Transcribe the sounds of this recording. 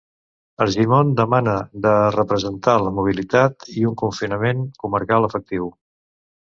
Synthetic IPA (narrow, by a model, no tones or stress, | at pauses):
əlʒimond̪əmanəðərəpɾəzənt̪aləmuβ̞ilit̪at̪iuŋkuɱfinəmeŋkuməɾkalˠəfək̚t̪iw